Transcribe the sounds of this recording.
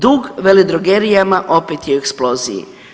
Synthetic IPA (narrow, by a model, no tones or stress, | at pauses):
d̪uːɡʋelid̪ɾoɡeɾijamaʔo̞pet̪jeueksplo̞ːzḭjḭ